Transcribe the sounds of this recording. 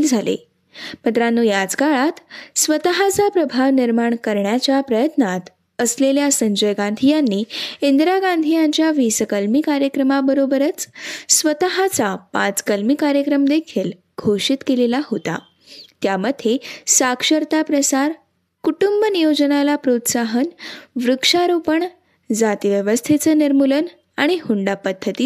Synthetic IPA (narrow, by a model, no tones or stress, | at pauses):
ld͡zʱalḛ | mət̪ɾanːujad͡zkaɭat̪sʋət̪əɦat͡sapɾəbʱaʋniɾmaɳkəɾɳjat͡ɕjapɾəjət̪nat̪ | əsleljasəɲd͡ʑəjɡãnd̪ʱijanːiːend̪ɾaɡand̪ʱijãɲt͡ɕjaʋiskəlmiːkaɾjəkɾəmabəɾobəɾət͡ssʋət̪əɦat͡sapãt͡skəlmiːkaɾjəkɾəmd̪ekʰiːl | ɡʱoʂiːt̪kelelaɦot̪a̰ | t̪jaməd̪ʱːesakʂəɾt̪apɾəsaɾ | kuʈumbənijod͡ʑənalapɾot̪saɦənʋɾukʂaɾopəɳ | d͡zat̪ʋjəʋəst̪ʰet͡səniɾmulən | aɽ̃ihuɳɖapəd̪ʱːət̪iː